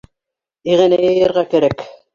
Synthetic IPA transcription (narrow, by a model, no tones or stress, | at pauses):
iʁɘnæjɤ̆jɤ̆ɾʁɑkæɾæk